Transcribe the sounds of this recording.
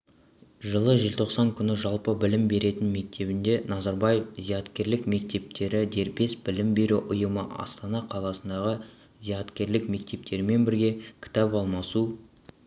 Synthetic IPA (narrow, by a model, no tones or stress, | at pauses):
ʒəlˠəʒelt̪ʰo̞qsɑŋkʲʰʏnɪʒɑlˠpəbɪlɪmbe̞ɾe̞t̪ɪnme̞k̚t̪ʰe̞bɪnd̪e̞nɑzɑɾbɑjefzijɑt̪kʲe̞ɾlɪkme̞k̚t̪e̞p̚t̪e̞ɾɪd̪e̞ɾpe̞sbɪlɪmbe̞ɾuʔʊjəməʔɑ̰st̪ɑnɑqʰɑlˠɑsənd̪ɑʁə | zijɑt̪kʲe̞ɾlɪkme̞k̚t̪e̞p̚t̪ʰe̞ɾme̞nbɪɾɡʲe̞kʲʰɪ̥t̪ɑpɑlˠmɑsu